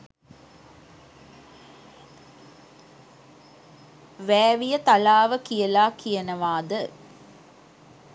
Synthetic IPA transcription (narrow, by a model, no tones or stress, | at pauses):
ʋæːʋijət̪alaːʋəkijəlaːkijənəʋaːd̪ə